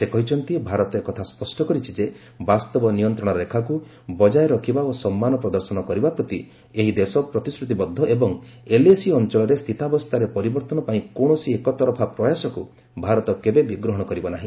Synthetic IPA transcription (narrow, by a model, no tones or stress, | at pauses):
sekɔɦit͡ʃʰɔnt̪ibʱaɾɔt̪ɔekɔt̪ʰaspɔsʈɔkɔɾit͡ʃʰid͡ʒe | bast̪ɔbɔnijɔnt̪ɾɔɽ̃ɔɾlekʰaku | bɔd͡ʒajɾɔkʰibaosɔmːanɔpɾɔd̪ɔɾsɔnɔkɔɾibapɾɔt̪i | eɦid̪esɔpɾɔt̪isɾut̪ibɔd̪ʱːɔʔebɔŋeliesiɔnt͡ʃɔɭɔɾest̪ʰit̪abɔst̪ʰaɾepɔɾibɔɾt̪ɔnɔpaĩkoɽ̃ɔsiekɔt̪ɔɾɔpʰapɾɔjasɔkṵ | bʱaɾɔt̪ɔkebebiɡɾɔɦɔɽ̃ɔkɔɾibɔnaɦĩ